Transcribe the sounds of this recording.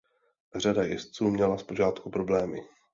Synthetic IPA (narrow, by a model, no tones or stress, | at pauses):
r̝adajɛst͡suːmɲɛlaspo̞ʒaːt̪kupɾo̞blɛːmɪ̰